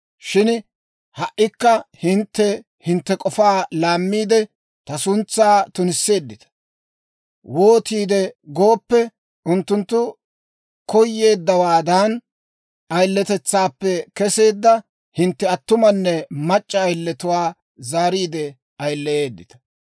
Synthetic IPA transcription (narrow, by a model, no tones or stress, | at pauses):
ʃɪn | hɐʔːɪkːɐhɪnt̪ːɛ | hɪnt̪ːɛkʼɔfaːlaːmːiːd̪ɛ | t̪ɐsʊnt͡sːaːt̪ʊnɪsːe̞ːd̪ːɪt̪ɐ̥ | wo̞ːt̪iːd̪ɛɡo̞ːpːɛ | ʊnt̪ːʊnt̪ːʊ | kɔjːe̞ːd̪ːɐwaːd̪aːn | ʔɐjlːɛt̪ɛt͡sːaːpːɛkɛse̞ːd̪ːɐ | hɪnt̪ːɛɐt̪ːʊmɐnːɛmɐt͡ʃʼːɐːjlːɛt̪ʊwaː | zaːɾiːd̪ɛ | ɐjlːɛʔe̞ːd̪ːɪt̪ɐ̥